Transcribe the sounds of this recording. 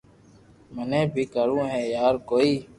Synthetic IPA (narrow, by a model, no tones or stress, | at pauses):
mənẽːbʱiːkəɾũːɦɛːjaːɾkoːiː